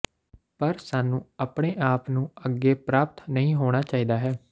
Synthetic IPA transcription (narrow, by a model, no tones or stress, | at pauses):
pəɾsaːnũːaːpɽeːʔaːpnũːəɡːeːpɾaːp̚t̪nəĩːɦoːɽ̃aːt͡ʃaːiːd̪aːɦɛː